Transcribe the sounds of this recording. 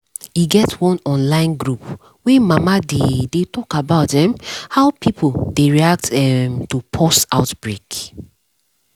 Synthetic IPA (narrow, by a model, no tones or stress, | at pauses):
iɡɛtwɔ̃nɔ̃nlãɪ̃nɡɹup | wɛ̃mamadedetɔkabaʊt̚ðɛ̃mhaʊpʰipʰoldeɹiak̚tɛmtupʰɔsta̰ʊtb̥ɹek